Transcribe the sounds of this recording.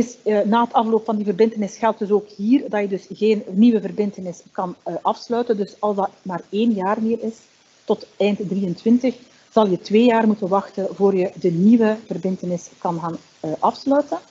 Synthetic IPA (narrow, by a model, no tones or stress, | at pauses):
ɪsnaːɦətɑfloːpfɑndivərbɪntənɪsxɛlˠt̚dɵsoːkhiːrdɑjədɵsɣeːnniʋəvərbɪntənɪskɑnʔɑfslœɥtəndɵsɑlˠszdɑtmaːreːnjaːrmɪːrɪs | tɔtɛjntdrijəntʋɪntəx | z̥ɑlˠjətʋeːjaːrmutənʋɑxtənvoːrjədəniʋəvərbɪntənɪskɑnɣaːn | ʔɑfslœɥtən